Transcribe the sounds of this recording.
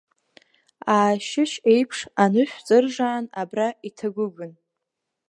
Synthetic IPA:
aːʃɪʃejpʰʂanɨʃᶣʷt͡sʼɨrʐaːnabraitʰaɡʷʊɡʷʊn

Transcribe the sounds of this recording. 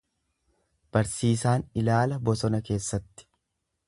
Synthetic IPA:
b̥ɐɾsiːs̬aːnɪlaːlɐbɔsɔnɐke̞ːsːɐt̪ːɪ̥

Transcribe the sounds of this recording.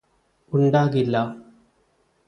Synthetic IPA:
uɳɖaːɣilːɐ

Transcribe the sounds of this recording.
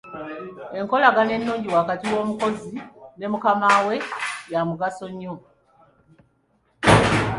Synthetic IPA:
e̞ŋko̞laɡane̞nːuːɲɟiwaːkatiwo̞ːmuko̞zine̞mukamaːwe̞jamuɡaso̞ɲːo

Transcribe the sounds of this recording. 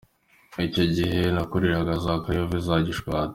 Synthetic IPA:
ico̞ɟiɦe̞nakuɾiɾaɡazakajovizaɟiʃwaːt

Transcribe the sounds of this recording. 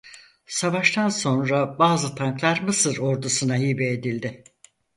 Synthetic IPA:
savaʃt̪ʰanso̞nɾabaːzɯt̪ʰaŋklˠaɾmɯsɯɾo̞ɾd̪usɯnaɦiːbɛːd̪ilʲd̪ɪ

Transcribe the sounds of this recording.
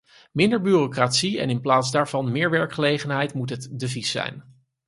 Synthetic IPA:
mɪndəɹbyːrokratsiɛ̰nɪnplaːtzdaːɹv̥ɑnmɪːɹʋɛɹkχəlejχənɦɛjtmutɦətdəvisːɛ̰jn

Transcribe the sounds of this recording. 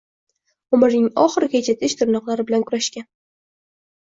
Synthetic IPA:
ʊmɪɾnɪŋɒχɨɾɡʲat͡ʃʰɪt̪ʰɪʃt̪ʰʊɾnɒqlˠaɾɪbɪlankʰʊɾaʃkʲan

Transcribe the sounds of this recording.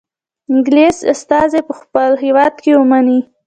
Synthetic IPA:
ɪŋɡlesa̰st̪ɑzepəxpəlɦewɑd̪̚kewəmani

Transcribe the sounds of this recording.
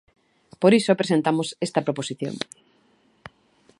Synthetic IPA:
poɾisoapɾesent̪amosest̪ɐpɾoposiθjo̰ŋ

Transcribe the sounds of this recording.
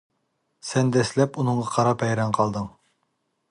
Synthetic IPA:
sɛnd̪ɛslɛpunɨɴʁɑqʰɑɾɑpʰɛjɾɛnqʰɑlˠd̪ɨŋ

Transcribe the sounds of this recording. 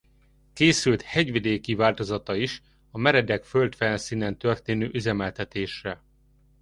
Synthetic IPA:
keːsylt̪hɛɟʋid̪eːkivaːlt̪o̞zɒt̪ɒiʃ | ɒmɛɾɛd̪ɛkfølt̪fɛnsiːnɛnt̪ø̞rt̪eːnøːʔyzɛmɛlt̪ɛt̪eːʃrɛ

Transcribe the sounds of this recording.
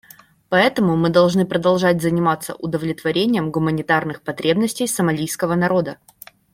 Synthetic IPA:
pɐɛt̪əmʊmɨd̪ɐlˠʐnɨpɾəd̪ɐlˠʐatʲzənʲɪmat̪sːə̰ʔʊd̪əvlʲɪt̪vɐɾʲenʲɪjəmɡʊmənʲɪt̪arnɨxpɐt̪ɾʲe̞bnəsʲtʲɪjsəmɐlʲijskəvənɐɾo̞d̪ə

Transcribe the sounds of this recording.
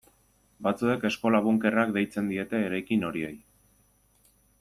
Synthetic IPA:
bat͡sue̞ke̞sko̞laβuŋke̞rakd̪e̞jt͡se̞nd̪ie̞t̪e̞ːɾajkino̞ɾie̞̰j

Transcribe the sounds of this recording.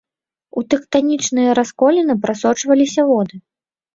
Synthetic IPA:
ut̪ɛkt̪anʲit͡ʂnɨjɐɾaskɔlʲɛnɨpɾasɔt͡ʂvɐlʲisʲɐvɔd̪ɨ

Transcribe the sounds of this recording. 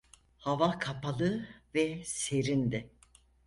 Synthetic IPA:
havakʰapʰalˠɯvɛse̞ɾind̪ɪ

